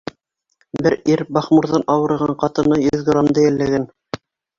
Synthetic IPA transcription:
bɘɾiɾbɑχmuɾðɑnʔɑwɤ̆ɾɤʁɑɴqɑt̪ɤ̆nɤjɵðɡromd̪ɤjælːæɡæn

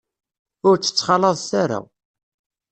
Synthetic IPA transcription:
ʊɾt͡sːə̥t͡sːχɑləðˤθaɾa̰

